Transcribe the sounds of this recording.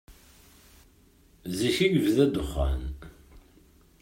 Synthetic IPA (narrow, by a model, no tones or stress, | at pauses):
ziʃiʝəvðæd̪əχːa̰n